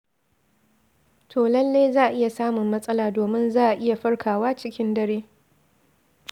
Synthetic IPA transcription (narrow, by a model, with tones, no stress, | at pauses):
tʰoː˨lɐ˦lːeː˦jzaː˦˨ʔa˨ʔɪ˦ja˨saː˦mʊ˨mːɐ˦sʼɐ˦laː˨doː˨mɪ˦nzaː˦ʔa˨ʔɪ˦ja˨ɸɐ˦ɽkʰaː˨waː˦t͡ʃɪ˦kʲɪ˦ndɐ˦ɽeː˦